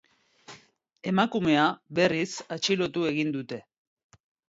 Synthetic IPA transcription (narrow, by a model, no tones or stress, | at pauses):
e̞makume̞aβe̞risat͡ʃilo̞t̪ue̞ɣind̪ut̪e̞